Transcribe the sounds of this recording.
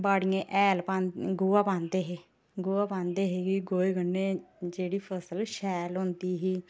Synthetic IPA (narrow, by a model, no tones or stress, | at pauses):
baːɽɪjẽːʔɛːlpãːnɡʊːaːpãːnd̪eːɦeː | ɡuːaːpãːnd̪eːɦeːɡiɡoːeːɡənːeːd͡ʒeːɽiːpʰəsəlʃɛːlɦʊ̃nd̪iːɦiː